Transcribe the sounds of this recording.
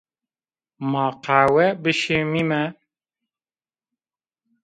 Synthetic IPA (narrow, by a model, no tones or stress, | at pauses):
mɑːqʰaːwɛbɨʃemimɛ